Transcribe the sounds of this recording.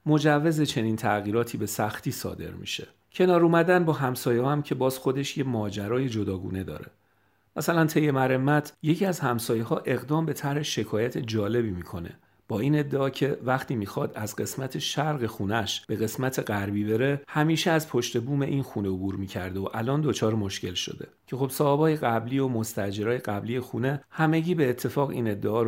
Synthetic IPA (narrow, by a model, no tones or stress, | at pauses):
mo̞d͡ʒævːe̞ze̞t͡ʃʰe̞niːnt̪ʰæɣiːɾɒːt̪ʰiːbe̞sæxt̪ʰiːsɒ̰ːd̪ḛɾmḭʃe̞̰ | cʰe̞nɒːɾuːmæd̪ænbɒːɦæmsɒːjehɒːæmcʰe̞bɒːz̥xo̞d̪e̞ʃjemɒːd͡ʒæɾɒːje̞d͡ʒo̞d̪ɒːɡṵːne̞d̪ɒ̰ːɾe̞̰ | mæsælænt̪ʰe̞jːe̞mæɾe̞mːæt̪ʰje̞cʰiːæzhæmsɒːjehɒːʔe̞ɣd̪ɒːmbe̞t̪ʰæɾhe̞ʃe̞kʰɒːjæt̪ʰe̞d͡ʒɒːle̞biːmiːkʰo̞ne̞̰ | b̥ɒːiːne̞d̪ːeɒːcʰe̞væχt̪ʰiːmiːxɒd̪æzɡe̞smæt̪ʰeʃæɾɣe̞xuːnæʃb̥e̞ɣe̞smæt̪ʰeɢæɾbiːbe̞ɾe̞hæmiːʃeæzpʰo̞ʃt̪e̞buːme̞ʔinxune̞obuːɾmiːcʰæ̰ɾd̪eoʔælɒːnd̪ot͡ʃʰɒːɾemo̞ʃce̞lʃo̞̰d̪e̞̰cʰe̞xo̞b̥sɒːebɒːjeɣæbliːo̞mo̞st̪æd͡ʒe̞ɾɒːjeɡæbliːjexuːne̞hæme̞ɟiːbe̞ːt̪ʰːe̞fɒːɣḭːne̞d̪ːeɒːɾ